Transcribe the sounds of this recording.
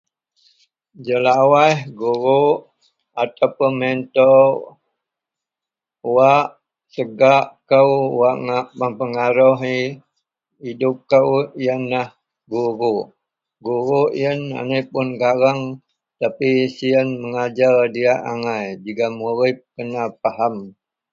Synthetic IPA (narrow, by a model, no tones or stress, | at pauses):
d͡ʒəlawahɡuɾu | at̪apənmɛnt̪o | uwaʔ | səɡaʔkəwwaʔŋaʔməmpəŋaɾuɦi | idʊp̚kəwijənlah | ɡuɾuʔ | ɡuɾuʔj̰əna̰nepʊnɡaɾaŋ | t̪apisiənməŋad͡ʒaldiaʔaŋajd͡ʒikamuɾɪp̚kənap̚aɦam